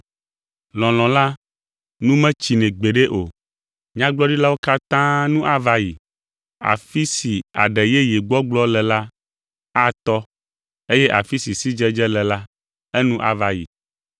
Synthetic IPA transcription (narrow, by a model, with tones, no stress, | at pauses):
lɔ̃˨l̃ɔ̃˨la˦ | nũ˦mɛ̃˦t͡ɕi˨nɛ̃˨ɡ͡be˨ɖe˦ʔo˨ | ɲã˦ɡ͡blɔ˦ɖi˦la˦wo˦ka˦t̪ã˦nũ˦ʔa˦˨va˦ji˨ | a̰˨fi˦si˨a̰˨ɖɛ˨jɛ˦je˨ɡ͡bɔ˦ɡ͡blɔ˦lɛ˨la˦ | a˦t̪ɔ˦ | e˦jɛ˦ʔa̰˨fi˦si˨si˦d͡ʒɛ˦d͡ʒɛ˦lɛ˨la˦ | ɛ˦nũ˦ʔa̰˦va˨jḭ˨